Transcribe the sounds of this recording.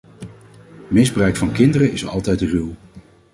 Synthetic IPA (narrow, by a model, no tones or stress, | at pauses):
mɪzbrœɥkfɑnkɪndərənɪsɑ̰lˠtɛjtryw